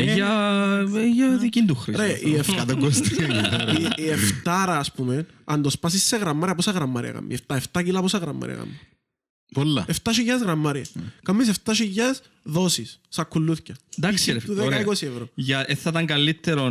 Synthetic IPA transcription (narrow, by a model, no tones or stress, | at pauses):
jɐ | jɐðicind̪uxɾiɾeieft̪ɐt̪oɡost̪iɐieft̪ɐɾɐːspumen | ɐnd̪ospɐsisːeɣɾɐmːɐɾiɐposɐɣɾɐmːɐɾḭɐ̰ɐ̰mːḭeft̪ɐeft̪ɐcilɐposɐɣɾɐmːɐ̰ɾḭɐ̰ɣɐ̰mi | polːɐeft̪ɐʃ̬ijɐzɣɾɐmːɐɾiɐ̰kɐmːis̬eft̪ɐʃiʝɐs | ðosisːɐkːulːuθcɐnd̪ɐkst̪uðekɐikosievɾoʝɐeθɐt̪ɐŋɡɐlːit̪ːeɾon